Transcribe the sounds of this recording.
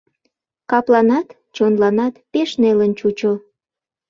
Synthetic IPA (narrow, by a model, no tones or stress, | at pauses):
kɑplɑnɑt̪ | t͡ɕonlɑnɑt̪peʃnelənt͡ɕut͡ɕo